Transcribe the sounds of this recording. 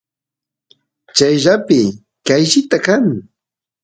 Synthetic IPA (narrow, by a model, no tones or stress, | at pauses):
t͡ʃajʒapɪ | kajʃɪt̪akaŋ